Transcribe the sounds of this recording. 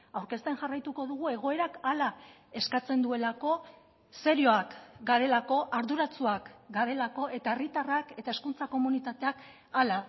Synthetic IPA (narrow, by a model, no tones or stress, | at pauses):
awɾke̞st̪e̞nʝarajt̪uko̞ðuɣ̞ue̞ɣ̞o̞e̞ɾakala | e̞skat͡se̞nd̪ue̞lako̞ | se̞ɾjo̞akɡaɾe̞lako̞ʔaɾðuɾat͡suakɡaɾe̞lako̞e̞t̪ae̞rit̪arake̞t̪aeskunt͡sako̞munit̪at̪eak | ala